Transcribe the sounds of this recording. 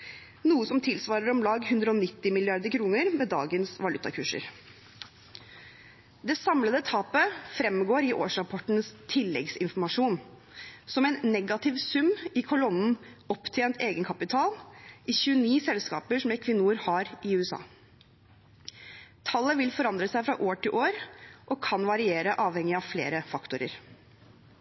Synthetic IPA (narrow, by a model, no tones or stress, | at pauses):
nuːəsɔmt̪ʰɪlsʋɑːɾəɾɔmlɑːɡhʉnd̪ɾəɔnɪt̪ːɪmɪlɪɑɾd̪əɾkʰɾuːnəɾmɛːd̪ɑ̰ːɡənsʋɑlʉt̪ːɑ̰kʰʉːʂə̰ɾ | d̪ɛsɑmləd̪ət̪ʰɑːpəfɾɛmɡoːɾɪʔo̰ːʂɾɑpʰɔʈn̩st̪ʰɪlːɛ̰ɡsɪnfɔɾmɑʂuːn | sɔmɛɪnːɛɡɑt̪ʰɪʋsʉmɪkʰʊlɔnn̩ɔpt̪ʰjeːnt̪eːɡənkʰɑpɪt̪ʰɑːlɪçʉːəniːsɛlskɑ̰ːpəʂɔmɛkʰʋɪnːuəɾhɑɾɪʉːɛsɑ̰ː | t̪ʰɑlːəʋɪlfɔɾɑnd̪ɾəsæɪfɾɑ̰ʔoːʈɪlʔoːɾʔɔːkʰɑnʋɑɾɪeːɾəʔɑːʋhɛŋɪɑʋflḛːɾəfɑkt̪ʊɾə̰ɾ